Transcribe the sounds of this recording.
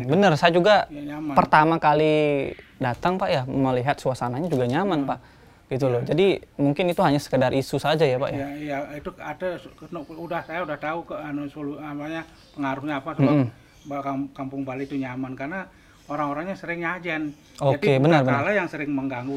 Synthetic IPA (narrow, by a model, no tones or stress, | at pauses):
bənərsajad͡ʒuɡajaɲamapərt̪amakalidat̪aŋpaʔjaməliɦat̪̚suasanaɲad͡ʒuɡaɲamanpaʔ | ɡ̥it̪̬ulod͡ʒadimuŋkɪnit̪uɦaɲasə̥kədarʔisusad͡ʒajapa̰ʔjaijait̪uadanudahsajaudaht̪aukəanosoluamaɲa | pəŋaɾuhɲaːpasm̩m̩ | bakakampʊŋbalit̪uɲamankarna | oɾaŋoɾaŋɲasəɾɪŋɲad͡ʒan | oakebənərbənalajaŋsəɾɪŋməŋɡaŋɡu